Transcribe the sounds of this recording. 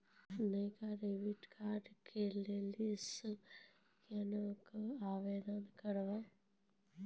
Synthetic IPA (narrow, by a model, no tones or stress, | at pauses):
nəjkaɾeʋiʈkʰaɾɖkʰelelis | kɐnəkaːʋed̪ənkəɾʋa